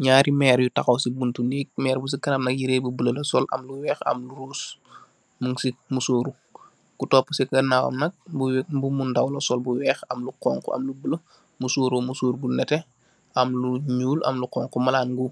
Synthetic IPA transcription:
ɲaːɾimɛːɾjutɐxɐwsibuntundiːk̚mɛːɾbus̬ikɐnɐmnɐk̚jiɾeːbubələlɐsɔlɐ̰mluwɛːxɐ̰mluɾuːs | muŋsimusoːɾu | kutɔːpːəsikɐnawɐ̰mnɐk̚bubumundɐwlɐsɔlbuwɛːxɐmluqɔːŋkɔɐ̰mlubələ | musuːɾoːmusuːɾɡunɛtɛ | ʔɐmluɲuːlʔɐ̰mluqɔːŋkɔmɐlaːnɡu

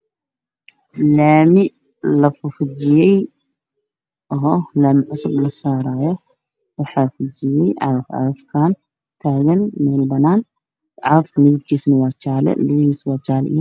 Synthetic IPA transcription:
laːmɪ | lɐfʊfʊt͡ʃɪjɛj | ʔɦɔlaːmɪʕʊsʊblɐsaːɾaːjɔ | wɑħɑfʊt͡ʃɪjɛjʕɑ̰ðfʕɑ̰ɐfkʰaːn | t̪ʰaːɣɐnmɛːlbɐnaːn | ʕɑðɐfkʰɐlɪβɪɡ̪kʰiːsnɐwɑːt͡ʃaːlɛ̰lʊβiːswɑːt͡ʃʰaːlḭjɔ

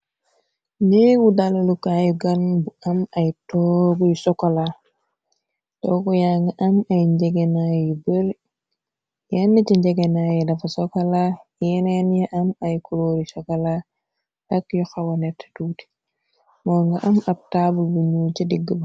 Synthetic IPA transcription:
nɛwudalalukajiɡanbuʔamajtɔɡujsɔkala | tɔkɔjaŋɡaʔamajɲd͡ʒɛɡɛnajibəɾ | jɛnːit͡ʃiɲd͡ʒɛɡɛnajɛdafasɔkalaɛnɛnjɛʔamajkuɾoːɾisɔkala | ʔakjɔxawanɛtʰːɛ̥tuːti̥ | mɔːŋɡaʔamab̚tabulbuɲuːt͡ʃidiɡːəba

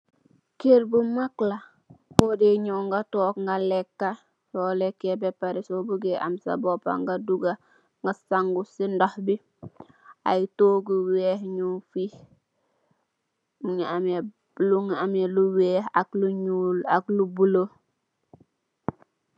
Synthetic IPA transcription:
keɾbumakla | fodeɲoːŋɡatoːkŋɡalekːa | soːlekebepaɾisobuɡeʔa̰msa̰bopa̰ŋɡaduɡa | ŋɡasaŋɡusindohbi | a̰jtoːɡuwehɲufih | muŋame | luŋameluweːhakluɲulaklubulo

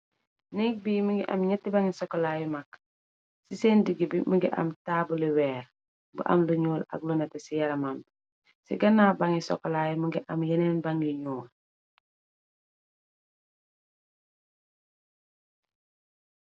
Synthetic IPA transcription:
nik̚biːmiŋɡiʔɐ̰mɲɛtːibaŋisɔkːɔlaːjumak̚ | siseːndiɡibimuŋɡiʔɐ̰mtaːbuliwɛːɾ | bṵʔɐ̰mluɲuːlɐ̰k̚lunɛtɛsijɐɾɐmam | sḭɡɐnaːbaŋisɔ̰kːɔlaːjumuɡiʔɐmjɛnɛːnbaŋliɲuːl

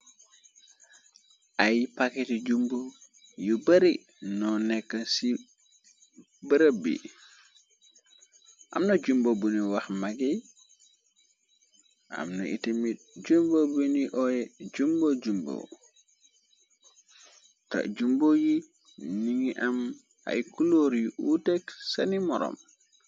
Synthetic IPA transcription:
ʔajipakɛtd͡ʒumbo | jubaɾi | nɔnɛkːansi | bəɾəbḭ | ʔa̰mnad͡ʒumbobuniwaxmaɡi | ʔa̰mnaʔḭtimi | ɟumbobuniʔɔjɛd͡ʒumbod͡ʒumbo̰ | ta̰d͡ʒumboji | niŋiʔam | a̰jkuloɾjuʔuteksanimɔɾɔ̰m

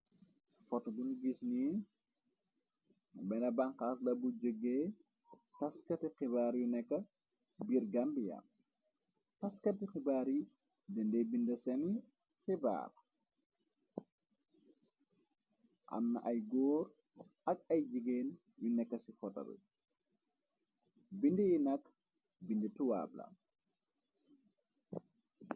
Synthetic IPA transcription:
fɔtɐdunɡisni | bɛnɐbaŋkaːslɐbud͡ʒəɡːeː | tɐskɐtixibaːɾjunɛkːɐ | biɾɡambija̰p̚ | tɐskɐtixibaːɾji | dəndebindɐsɐni | xiba̰ːr | ʔa̰nːɐʔɐjɡɔːɾ | ɐk̚ɐjd͡ʒiɡeːn | junɛkːɐsifɔtɐ̰bḭ | bindijinɐk | bindituwa̰ːblɐ̰

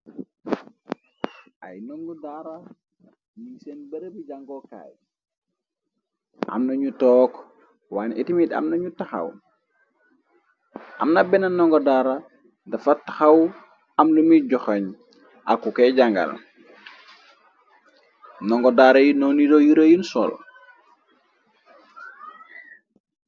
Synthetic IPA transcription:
ʔa̰jnɔŋɡɔdaɾa | misenbɐɾbiɟaŋɡɔka̰ːj | ʔa̰mnɐɲutɔːk | waːnitimida̰mnɐɲutaxa̰w | ʔa̰mnabɛnanɔŋɡɔdaɾa | dɐfatːḁxaw | amlumiɟɔxaɲ | ʔa̰kːukɛɟaŋɡa̰l | nɔŋɡɔdaɾɐjinonidojuɾajinsɔ̰l

